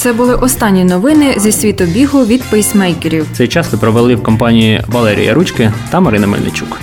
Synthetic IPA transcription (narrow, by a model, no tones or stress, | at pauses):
t̪sɛbʊlˠɪʔɔst̪ɑnʲːinɔʋɪnɪzʲɐsʲʋʲit̪ɔbʲiɦɔʋʲid̪pɔjsʲmɛjkeɾʲiwt̪ɛjt͡ʃɑsʋɪpɾɔʋelˠɪwkɔmpɑnʲijiʋɐlˠɛɾʲḭjɐ̰ɾut͡ʃkɪt̪ɐmɐɾɪnɐmɪ̰lʲnḛt͡ʃʲuk